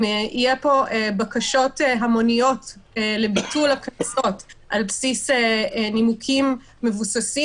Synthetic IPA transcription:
ijepoebakaʃotɦamo̞nijo̞tːlebitulaknaso̞tʔalpsisenimukʰimː | evusasi

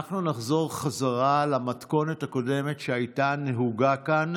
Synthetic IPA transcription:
aχnunaχzo̞ʁχazaʁalamatko̞nethako̞de̞me̞tʃeajtaneɦuɡakan

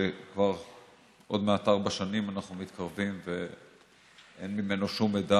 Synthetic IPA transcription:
ekvaʁ | ʔo̞d̪meat̪aʁbaʃanimanaχnumit̪kʰaʁvimve | ʔenmime̞noʃumeda

